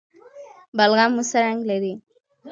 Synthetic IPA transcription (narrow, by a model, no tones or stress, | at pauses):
balɣamːusaɾaŋɡlaɾi